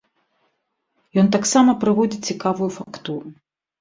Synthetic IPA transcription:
jɔnt̪̬aksamɐpɾɨvɔd͡zʲit͡sʲikavujufakt̪uɾu

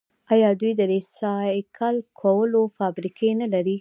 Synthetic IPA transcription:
ɑjɑd̪ujd̪əd̪esɑkʰalkʰawəlofɑbɾikʰenalaɾi

